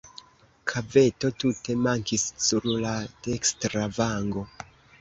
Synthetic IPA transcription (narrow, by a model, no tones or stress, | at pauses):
kʰave̞to̞tute̞maŋkisːuɾlatekstɾavaŋɡo̞